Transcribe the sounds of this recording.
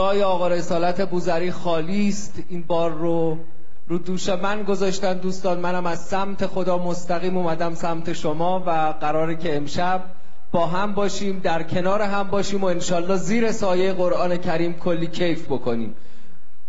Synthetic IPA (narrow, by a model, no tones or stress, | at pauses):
ɒːjeɒːɣɒːɾe̞sɒːlæt̪ʰe̞buːzæɾiːxɒːliːst̪iːnbɒːɾːo | ɾuːd̪uːʃemænɡo̞zɒːʃt̪ænd̪uːst̪ɒːnmænæmæzsæmt̪ʰe̞xo̞d̪ɒːmo̞st̪æɣiːmuːmæd̪æmsæmt̪ʰe̞ʃomɒːvæ | ɣæɾɒːɾicʰe̞ːmʃæb̚ | bɒːɦæmbɒːʃiːmd̪æɾcʰe̞nɒːɾeɦæmbɒːʃiːmoenʃɒːlːɒːziːɾe̞sɒːjejeɣo̞ɾʔɒːne̞cʰæɾiːmkʰolːiːcʰe̞jfbo̞kʰo̞nḭːm